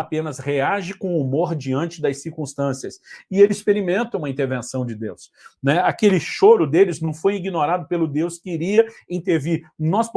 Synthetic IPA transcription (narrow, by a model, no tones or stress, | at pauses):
apẽnɐsheaʒɪkõumoɾd͡ʒiɐ̃nt͡ʃɪd̪ɐsiɾkũst̪ɐ̃siɐsɪelɪispeɾimẽnt̪ɐũmɐĩt̪eɾvẽsɐ̃w̃d͡ʒɪd̪ewsnɛakelɪʃoɾʊd̪elɪznɐ̃w̃fojiɡinoɾad̪ʊpelʊd̪ewskɪiɾiɐĩnt̪eɾviɾnɔsp